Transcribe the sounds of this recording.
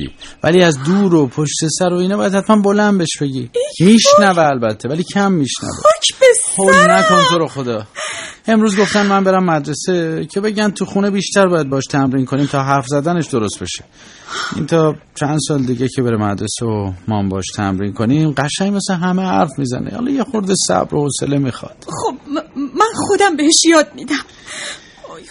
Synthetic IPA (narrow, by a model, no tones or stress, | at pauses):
ḭːvæ̰liæzd̪uːɾopʰoʃt̪e̞sæɾoinɒbɒjæd̪hæt̪ʰmænbo̞lænd̪be̞ʃb̥e̞ɟiːmiʃnæveːlbæt̪ʰːevæliːcʰæmːiʃnæ̰vḛholnækʰonimt̪oɾoxod̪ɒːe̞mɾuːzɡo̞ft̪ænmænbe̞ɾæmːæd̪ɾe̞secʰe̞be̞ɟænt̪ʰuxunebiːʃt̪æɾbɒːjæd̪̚bɒɒʃt̪ʰæmɾiːnkʰo̞niːmt̪ʰɒːɦæɾfzæd̪æne̞ʃd̪oɾo̞st̪̚be̞ʃe | ʔḭnt̪ʰɒːt͡ʃʰænd̪sɒːled̪iːɟecʰe̞be̞ɾemæd̪ɾeseomɒːmbɒɒʃt̪ʰæ̰mɾiːnkʰo̞nimɢæʃæŋmesleɦæmehæ̰ɾfmizæ̰nʔḛhɒ̰lɒ̰jexo̞ɾd̪esæ̰bɾohosḛlemixɒ̰d̪̥obmænxod̪æmbeheʃjɒːd̪̚mid̪æm